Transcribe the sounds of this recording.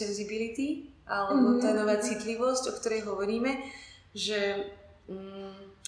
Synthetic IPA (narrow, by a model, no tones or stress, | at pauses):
ɛnzibilit̪iʔalɛbɔt̪aːnɔʋaːt͡sit̪liʋɔscɔkt̪ɔɾɛjɦɔʋɔɾiːmɛ | ʒɛ